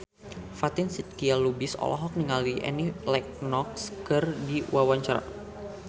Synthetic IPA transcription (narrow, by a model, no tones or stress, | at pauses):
fat̪ɪnsit̪̚kialubɪsɔ̰lʔɔ̰ɦɔk̚niŋaliʔɛ̰nilɛk̚nɔk̚skɨrdiwawaɲt͡ʃaɾa̰